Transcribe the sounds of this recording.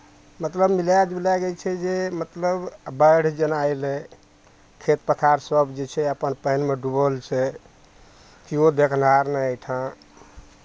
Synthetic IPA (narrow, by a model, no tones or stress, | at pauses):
mət̪ləbmilad͡ʒilaɡɛt͡ʃʰɛd͡ʒemət̪ləbbəɽ̤d͡ʒənajlɛ | kʰet̪pət̪ʰaɾsəbʱd͡ʒet͡ʃʰɛəpənpəɦnmeɖubəlt͡ʃʰɛ | kiod̪ekʰnaɾnəʈʰã